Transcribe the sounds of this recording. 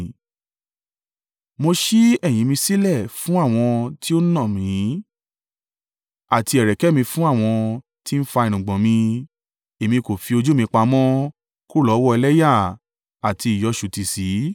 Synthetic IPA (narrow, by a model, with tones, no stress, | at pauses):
mo˧ʃi˦ɛ˦˨j̃ĩ˨˦mĩ˧si˦lɛ˦˨fũ˦a˦˨w̃ɔ̃˧ti˦o˦nã˦˨mĩ˨˦ | a˨ti˧˦ɛ˨ɾɛ˨kɛ˨˦mĩ˧fũ˦a˦˨w̃ɔ̃˧ | ti˦n̩˦fa˧i˨ñũ˨ɡ͡bɔ̃˨mĩ˧ | e˨mĩ˧ko˨fi˧o˧d͡ʒu˦mĩ˧k͡pa˧mɔ̃˦ | ku˦˨lɔ˨˦wɔ˦ɛ˧lɛ˦ja˦˨ | a˨ti˧i˨jɔ˨˧ʃu˨ti˨si˨˦